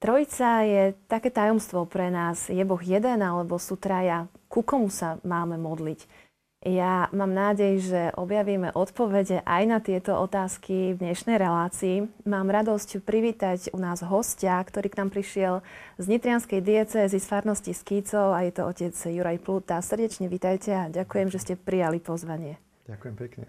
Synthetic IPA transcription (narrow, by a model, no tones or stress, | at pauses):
t̪ɾɔit͡sajɛt̪akɛːt̪ajɔmst̪ʋɔpɾɛnaːzjɛbɔɣjɛd̪ɛnalɛbɔsut̪ɾajakukɔmusamaːmɛmɔd̪lic | jamaːmnaːɟɛjʒɛʔɔbjaʋiːmɛʔɔt̪pɔʋɛɟɛʔajnat̪ɪɛt̪ɔʔɔt̪aːskivd̪ɲɛʃnɛjɾɛlaːt͡siːmaːmɾad̪ɔscpɾiʋiːt̪acunaːzɦɔscakt̪ɔɾiːknaːmpɾiʃɪɛlzɲit̪ɾɪanskɛjd̪iɛt͡sɛːzisfaɾnɔsciskit͡sɔʊajɛt̪ɔʔɔcɛd͡zjuɾajplut̪asr̩ɟɛt͡ʃɲɛʋit̪ajcɛaɟakujɛmʒɛscɛpɾijalipɔzʋaɲɪɛ̥ | akjɛmpɛkɲɛ